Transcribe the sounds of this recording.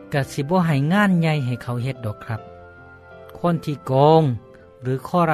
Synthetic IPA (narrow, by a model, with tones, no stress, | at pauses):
ka˧˩si˧˦bɔː˧˦ɦa˨˩jŋaː˧˥˨nɲa˧jɦa˨˩jkʰa˧˩wɦe˧˦t̪̚dɔː˨˩kʰːɾa˧˥p̚ | kʰo˧˥˨nt̪ʰiː˧˨kɔː˧ŋ | ɾɯː˨˦kʰɔː˧˨ɾa˧